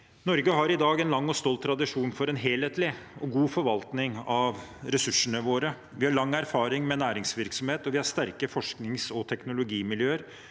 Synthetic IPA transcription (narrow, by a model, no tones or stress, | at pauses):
nɔɾɡəɦɑɾɪd̪ɑːɡɛnlɑŋːɔst̪oːlt̪ʰːɾɑd̪ɪʂuːnfɔɾɛnɦeːleːt̪lɪɔɡuːfɔɾʋɑlt̪nɪŋɑʋɾɛsʉʂːəɳəʋoːɾə | ʋɪhɑɭɑŋːæɾfɑːɾɪŋmɛnæːɾɪŋsʋɪɾksɔmheːt̪ɔʋɪhɑʂt̪æɾkəfɔʂknɪŋsɔt̪ʰɛknʊlʊɡiːmɪljøːəɾ